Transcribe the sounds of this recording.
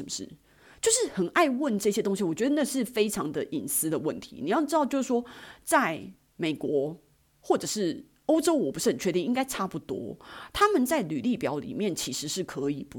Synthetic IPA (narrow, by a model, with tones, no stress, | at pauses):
ə˧˦mə˧ʂɻ̩̰˥˩ | t͡ɕjo˥˧ʊʂɻ̩˥˩xə˨˩nʔa˥˧ɪwə˥˨˧nʈ͡ʂə˥˩ɕjɛ˥t̪o˥ŋɕ̬i˨wɔ˨˩t͡ɕɥɛ˧˥d̪ə˧na˥˧ʂɻ̩˥˩fe˥ɪʈ͡ʂʰɑ˧˥ŋd̪ə˧ʔi˨˩nsɹ̩˥d̪ə˨wə̰˥˨˩nt̪ʰḭ˧˥ni˨˦jɑ˥˩ʊʈ͡ʂɻ̩˥t̪ɑ˥˧ʊt͡ɕjʊʂɻ̩˥˩ʂwɔ˥t͡sa˥˩ɪ | me˨˩ɪkwɔ˧˥ | xwɔ˥˩ʈ͡ʂɤ˨˩ʂɻ̩˥˩ | o˥ʊʈ͡ʂo˥ʊwɔ˨˩pu˧˥ʂɻ̩˥˩˨t͡ɕʰɥɛ˧˥t̪i˥˧i˥ŋka˥ɪʈ͡ʂʰa˥pu˥˩t̪wɔ̰˥t̪ʰa˥mə˨nt͡sa˥˩ɪly˨˩li˥˩pjɑ˧˥ʊlḭ˨˩mjɛ˥˩nt͡ɕʰi˧˥ʂɻ̩˧˥ʂɻ̩˥˩kʰɤ˧˦i˨˩pu˧˦